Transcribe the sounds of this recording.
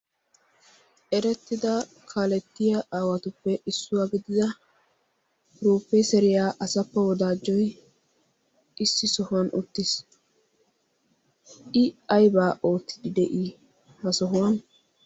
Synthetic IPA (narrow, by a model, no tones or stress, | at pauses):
ʔɛɾɛt̪ːɪd̪ɐ | kʰaːlɛt̪ːɪjɐaːwɐt̪ʊpːɛʔɪsːʊwaːɡɪd̪ɪd̪ɐ | ɾuːpːɛsɛɾɪjaːʔɐsɐpːɐwɔd̪aːd͡ʒːɔj | ʔɪsːɪsɔhʊwɐnʔʊ̰t̪ːɪs | ɪɐjbaːʔo̞ːt̪ːɪd̪ɪd̪ɛʔiː | hɐsɔɦʊwɐn